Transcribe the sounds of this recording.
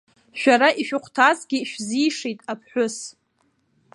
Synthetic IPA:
ʃᶣaɾaʔiʃᶣʊqʷʰtʰazɡʲɪʃᶣzijʂejtʼapʰħʷʊs

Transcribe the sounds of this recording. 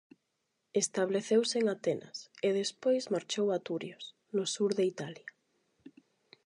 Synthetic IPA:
est̪aβleθewseŋat̪enʔa̰seðespojzmaɾt͡ʃowat̪uɾjos | nʊsuɾðeit̪alja

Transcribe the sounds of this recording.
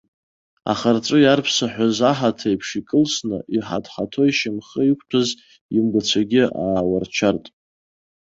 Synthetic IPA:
a̰χart͡sʷʼʊjarpʰsaħʷᶣazaħatʰajpʰʂikʼɨlsnɨ̰ʔiħa̰dħatʰo̞iʃamχəikʷʰpʰaz | imɡʷat͡ɕʷʰaɡʲɪa̰ːwart͡ʃʷʰartʼ

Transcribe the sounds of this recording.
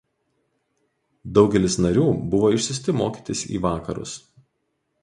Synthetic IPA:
d̪ɒʊɡʲɛlʲɪsnɐɾʲuːbʊʋoːɪʃʲsʲɪsʲt̪ʲɪmoːkʲiːt̪ʲɪsḭːʋɑːkɐɾʊ̰s

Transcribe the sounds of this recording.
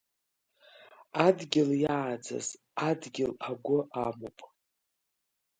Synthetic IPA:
adɡʲɪljaːd͡za̰z | adɡʲɪlaɡʷʊʔamopʼ

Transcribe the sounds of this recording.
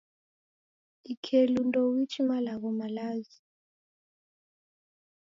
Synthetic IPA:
ikʰelundɔwit͡ʃʰimalaɣɔmalaːzi

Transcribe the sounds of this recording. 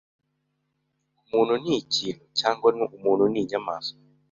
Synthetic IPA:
umununit͡ʃilɔt͡ʃaŋɡɔnuumununiɲamasɔ̥

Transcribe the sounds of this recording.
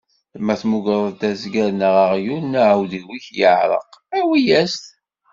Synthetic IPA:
mæθmuɡɾˤəðt̪æzɡæɾnəʁəʁjulnæʕawðiwiçjəʕɾˤə̰qæwijæst̪

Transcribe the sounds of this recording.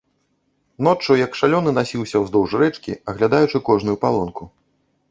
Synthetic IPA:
n̪ɔt͡ʂɐjɐkʂalʲɔnɨnasʲiwsʲɐwzd̪ɔwʐɾɛt͡ʂkʲḭɐɣlʲad̪ajut͡ʂɨkɔʐnujupalˠɔnku

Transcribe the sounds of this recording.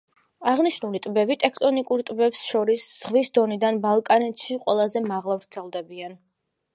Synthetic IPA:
aʁniʃnulit̪ʼbɛbit̪ʼɛkʰt̪ʼɔnikʼuɾt̪ʼbɛpsʃɔɾisz̥ʁvisd̪ɔnid̪anbalˠkʼanɛt̪ʃiqʼwɛ̰lˠazɛmaʁlˠavɾt̪sʰɛlˠd̪ɛbian

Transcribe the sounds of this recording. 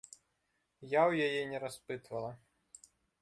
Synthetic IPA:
jawjajɛnʲɛɾaspɨt̪vɐlˠɐ

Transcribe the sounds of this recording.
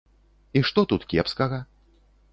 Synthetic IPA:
iʂt̪ɔt̪ut̪kʲɛpskɐɣɐ

